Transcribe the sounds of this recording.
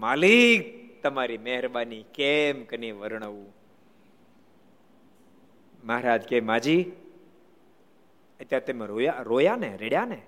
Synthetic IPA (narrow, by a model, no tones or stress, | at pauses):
malik̚t̪əmaɾimeɦɾbanikemkəniʋəɾɳ̃əʋũ | məɦɾad͡ʒkemad͡ʒi | ət̪jaɾt̪emeɾojaɾojaneɾeɽjane